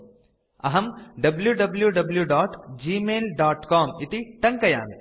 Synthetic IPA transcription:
ɐɦɐmɖɐbljuɖɐbljuɖɐbljuɖɔːʈd͡ʒiːmeːlɖaːʈkɔːmɪt̪iʈɐ̃ŋkɐja̰ːmi

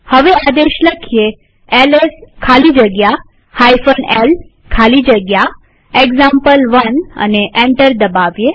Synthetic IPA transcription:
həʋead̪eʃləkʰje | eleskʰalid͡ʒəɡja | hajfənel | kʰalid͡ʒəɡja | eɡzampəlʋənə̰neʔẽɳʈəɾd̪əbaʋje

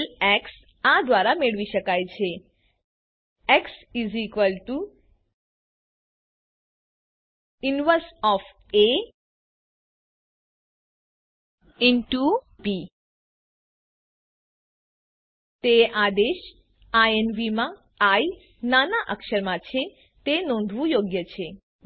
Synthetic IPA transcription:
lɛks | ad̪ʋaɾameɭʋiʃəkajt͡ʃʰe | eksizikʋəlʈu | inʋəɾsɔf | e | inʈu | pi | t̪ead̪eʃ | aenʋimã | ai | nanaʔəkʃəɾmãt͡ʃʰe | t̪enɔ̃nd̪ʱʋũjoɡjət͡ʃʰe

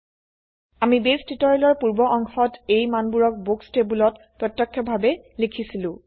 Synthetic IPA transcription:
amibestitɔɹɛlɔɹpuɹbɔʔɔŋxɔtejmanbuɹɔk̚bukstebulɔt | pɹɔtːɔkʰːɔbʱabɛ | likʰisilʊ̃

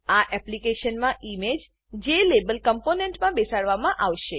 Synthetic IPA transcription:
aʔɛplikeʃənmãʔimed͡ʒ | d͡ʒelebəlkəmponeɳʈmãbesaɽʋamãʔaʋʃe

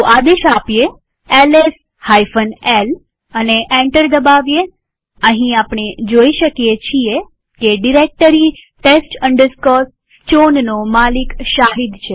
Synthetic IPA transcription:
t̪oʔad̪eʃapje | eles | hajfənel | əneʔɛ̃ɳʈəɾd̪əbaʋje | əɦĩapɽ̃ed͡ʒoiʃəkijet͡ʃʰie | keɖiɾek̚ʈəɾiʈesʈəɳɖəɾskɔs | t͡ʃonnomalikʃaɦid̪t͡ʃʰe

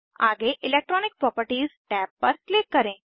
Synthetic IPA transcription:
aɡeʔɪlek̚ʈɾɔːnɪk̚pɾɔpəɾʈiːzʈɛpːəɾklɪkːəɾẽ

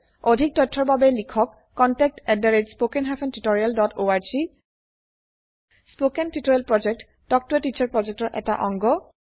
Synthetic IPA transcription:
odʱik̚tɔtʰːɔɹbabɛlikʰɔkːɔntɛk̚tɛdaɹed͡ʒspokɛnɦapʰɛntutoɹialdɔtʰoaɹzi | spokɛntitɔɹialpɹɔd͡ʒɛk̚t | tɔk̚tuɛtit͡ʃaɹpɹɔd͡ʒɛk̚tɔɹʔɛ̰ta̰ʔɔŋɡɔ

